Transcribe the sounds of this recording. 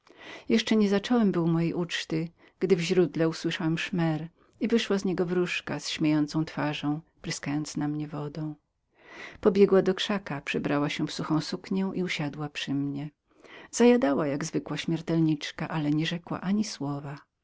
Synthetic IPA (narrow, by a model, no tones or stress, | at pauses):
jɛʂt͡ʂɛɲɛzat͡ʂɔwɛmbɘwmɔjɛjʔut͡ʂt̪ɘ | ɡ̥d̪ɘvʑɾud̪lɛuswɘʂawɛmʂmɛɾ | ivɘʂwazɲɛɡɔvɾuʂkasɕmʲejɔnt̪sɔ̃w̃t̪faʐɔ̃w̃pɾɪskajɔnt̪snamɲɛvɔd̪ɔ̃w̃ | pɔbʲjɛɡwad̪ɔkʂakapʂɛbɾawaɕɛfsuxɔ̃w̃sukɲɛw̃ʔiuɕad̪wapʂɘmɲɛ | z̥ajad̪awajaɡzvɘkwaɕmʲjɛɾt̪ɛlɲit͡ʂkaʔalɛɲɛʐɛkwa̰ʔaɲiswɔva